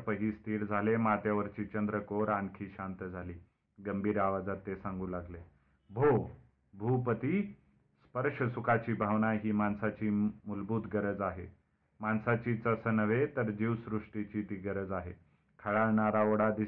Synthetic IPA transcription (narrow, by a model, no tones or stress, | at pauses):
pəɦiːst̪ʰiːɽd͡zʱalemat̪jaʋəɾt͡ɕiːt͡ɕənd̪ɾəkoɾankʰiːɕant̪əd͡zʱaliː | ɡəmbʱiːɾaʋad͡zat̪ːesãŋɡũlaɡle | bʱo | bʱupət̪iː | spəɾʂəsukat͡ɕiːbʱaʋnaɦiːmansat͡ɕiːmulbuːd̪ɡəɾəd͡zaɦe | mansat͡ɕiːt͡səsənəʋet̪əɾd͡ʑiʋsɾuʂʈit͡ɕiːt̪iːɡəɾəd͡zaɦḛ | kʰəɭaɭɳaɾaoɽad̪i